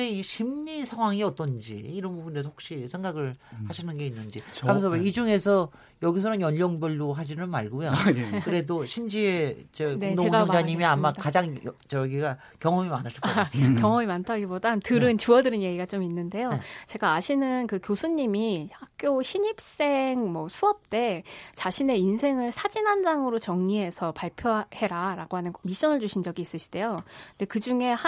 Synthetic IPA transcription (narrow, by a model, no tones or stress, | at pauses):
eiɕʰimɲisʰaŋwaŋiʌt͈ʌnd͡ʑḭːɾʌnbubundes̬ʰho̥k̚ɕ͈isʰe̞ŋɡaɡɯɭhaɕʰinɯnɡe̞inːɯnd͡ʑikamʌnsʰʌeid͡ʑuŋe̞sʰʌ | jʌɡisʰʌɾonjʌɲːʌŋbjʌɭːoɦad͡ʑinɯnmaɭɡojokɯɾe̞doɕʰimd͡ʑieid͡ʑenoeŋɡaʌŋd͡ʑaɲimiamakad͡ʑaŋjʌt͡ɕʌjɡiɡa | kjʌŋʌmimanɯs͈ʰakjʌŋʌmimantʰaɡibodatɯɾɯnt͡ɕuʌdɯɾɯnje̞ɡiɡat͡ɕ͈ominːɯnde̞jot͡ɕe̞ɡaːɕʰinɯnkɯkjosʰuɲːimihak̚k͈joɕʰiɲip̚s͈e̞ŋmʌsʰuʌp̚t͈e̞t͡ɕaɕʰine̞insʰe̞ŋɯɭsʰad͡ʑinɦand͡ʑaŋɯɾot͡ɕʌŋɲiɦe̞sʰʌpaɭpʰjohe̞ɾaɾaɡoɦanɯnmiɕ͈ʌnɯɭd͡ʑuɕʰind͡ʑʌɡiːs͈ɯɕʰi̥d̥e̞jonde̞kɯd͡ʑuŋe̞ha